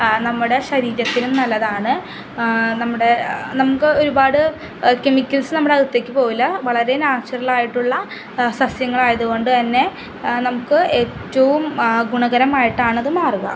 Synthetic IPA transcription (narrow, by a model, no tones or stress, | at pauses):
nɐmːuɽe̞ɕɐɾiːɾɐt̪ːilumnɐlːɐðaːɳɨ | nɐmːuɽe̞nɐmukːɨo̞ɾubaːɽɨ | kemikʲːɐlsnɐmːuɽeɐɣɨt̪ːeːkʲːɨpo̞ːjilːɐʋɐɭɐɾe̞naːɕɐɾɐɭaːjiʈːuɭːɐ | sɐsjɐŋːɐɭaːjɐðuɣo̞ɳɖɨt̪ɐnːe̞ | nɐmukːɨʔeːtːɐʋumɡuɳɐɣɐɾɐmaːjiʈːaːɳɐðɨmaːruɣɐ̰